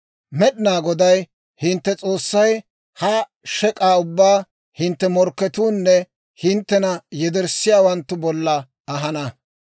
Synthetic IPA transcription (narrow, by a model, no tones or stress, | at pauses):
mɛɗɪnaːɡɔd̪ɐj | hɪnt̪ːɛt͡sʼo̞ːsːɐj | hɐ | ʃɛkʼaːʊbːaː | hɪnt̪ːɛmɔɾkːɛt̪uːnːɛ | hɪnt̪ːɛnɐjɛd̪ɛɾsːɪjaːwɐnt̪ːʊbɔlːɐ | ɐɦɐnɐ